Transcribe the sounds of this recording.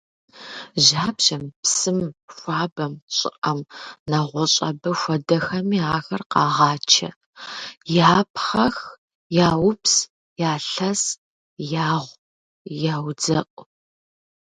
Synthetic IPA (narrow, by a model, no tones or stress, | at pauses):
ʑaːbʑɐmpsɨmfʷaːbɐmɕʼɪ̰qʼɐmnɐʁʷɔɕʼɐ̰bɐxʷɐdɐxɐmiːaːxɐrqɑːʁɑːt͡ʃʰɐ̰ | jaːpʰχɐx | jaːwʊps | jaːɬɐs | jaːʁʷ | jaːwd͡zɐqʷʼ